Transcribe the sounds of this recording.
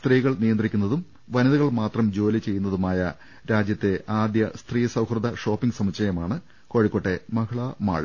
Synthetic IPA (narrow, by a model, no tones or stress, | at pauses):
st̪riːɣɐɭnijɐnd̪rikʲːunːɐðum | ʋɐniðɐɣɐɭmaːt̪rɐmd͡ʑo̞ːlit͡ɕe̞jːunːɐðumaːjɐ | ɾaːd͡ʑjɐt̪ːe̞ʔaːd̪jɐst̪riːsɐwhrɨd̪ɐʂo̞ːpːiŋɡsɐmit͡ɕɐjɐmaːɳɨ | ko̞ːɻikːoʈːemɐkʰɐɭɐma̰ːɻ